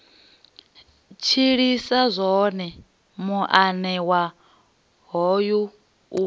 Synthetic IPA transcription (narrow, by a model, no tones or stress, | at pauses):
t͡ʃʰiɺisazʷɔnɛ | muʔanɛwa | ɦɔju | u